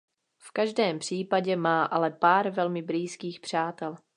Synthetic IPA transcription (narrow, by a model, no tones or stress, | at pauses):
fkaʒdɛːmpr̝̥iːpaɟɛmaːʔalɛpaːɾvɛlmɪbɾiːskiːxpr̝̥aːt̪ɛl